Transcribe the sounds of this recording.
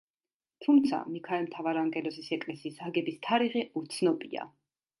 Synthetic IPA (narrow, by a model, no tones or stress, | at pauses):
t̪ʰumt̪sʰa̰mikʰaɛlmt̪ʰavaɾaŋɡɛlɔsisɛkʼlɛsiːsaɡɛbist̪ʰaɾiʁɛʔut̪sʰnɔbia̰